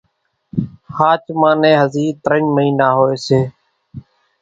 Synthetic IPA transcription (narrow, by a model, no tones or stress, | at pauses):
haːt͡ʃmãːnẽːɦəziːt̪əɾəɲməɦiːnaːɦoːeːseː